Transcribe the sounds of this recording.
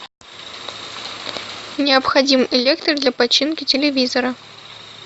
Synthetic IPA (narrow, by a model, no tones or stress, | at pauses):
nʲɪɐpxɐdʲimɪlʲekt̪ərd̪lʲapɐt͡ɕːinkʲɪtʲɪlʲɪvʲizəɾə